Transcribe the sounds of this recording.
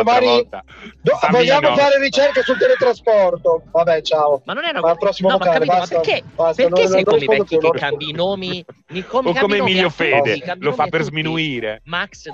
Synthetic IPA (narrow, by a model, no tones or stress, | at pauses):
vaːɾvid̪ovoʎːaːmofaːɾeɾit͡ʃɛrkesult̪elet̪ɾaspɔrt̪ovabɛt͡ʃaːonalpɾɔsːimolokaːlebast̪abast̪anoɛnelnomfɔd̪okeunoomi | okːomemiʎːofeːad̪elofapːerzminuiːɾḛmaks